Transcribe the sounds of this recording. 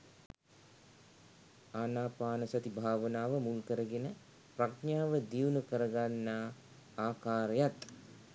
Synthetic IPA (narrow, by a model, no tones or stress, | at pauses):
aːnaːpaːnəsat̪ibʱaːʋənaːʋəmulkəɾəɡenə | praknaːʋəd̪iwnukəɾəɡanːaː | aːkaːɾəjat̪